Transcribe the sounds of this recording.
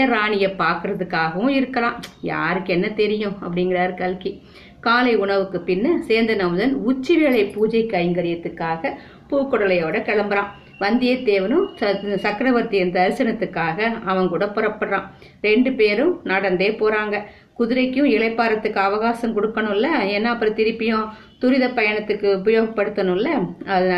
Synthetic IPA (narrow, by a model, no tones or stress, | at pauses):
ɐɾaːɳɪjɐpːaːɾkɯɾɐðɯkːaːɣɐʋʊ̃ɪɾɯkːɐlãːja̰ːɾɯkːɛnːɐt̪ɛɾɪjʊ̃ɐpːɐɽɪŋɡɪɾaːɾɯkɐlki | kaːlɐɪʊɳɐʋɯkːɯpɪnːɐseːnd̪ɐnɐmʊðɐnʊt͡ʃːɪʋeːɭɐɪpːuːd͡ʒɐɪkːɐjɐŋɡɐɾɪjɐt̪ːɯkːaːɣɐ | puːkːɔɽɐlɐjoːɽɐkɐɭɐmbɯɾãː | ʋɐnd̪ɪjɐt̪eːʋɐnɯ̃sɐkːɾɐʋɐɾt̪ːɪɐɾnd̪ɐːɾɯsɐnɐt̪ːɯkːaːɣɐɐʋɐŋkuːɽɐpːʊɾɐpːɐɽɾãː | ɾɛɳɖɯpeːɾɯ̃naɽɐnd̪eːpoːɾaːŋɡɐ | kʊðɪɾɐɪkːjʊ̃ɪɭɐɪpːaːɾɐt̪ːɯkːɯɐʋɐɣaːsɐmkɔɽɯkːɐɳʊ̃ɪlːɐɛnːaːpːɯɾɐ̃t̪ɪɾɯpːɪjõ | t̪ʊɾɪðɐpɐjɐɳɐt̪ːɯkːɯʊpɐjoːɣɐpːɐɽɯt̪ːɐnʊ̃ɪlːɐɐð